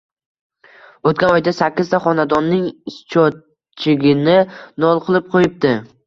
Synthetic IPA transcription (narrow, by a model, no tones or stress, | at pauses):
ot̪̚kʲanɒjd̪asakʲːɪzt̪ʰaχɒnad̪ɒnːɪŋɪst͡ʃʰɒ | t͡ʃʰɪɡʲɪnɪnɒlˠqʰɨlˠɪp̚qʰojɪp̚d̪ɪ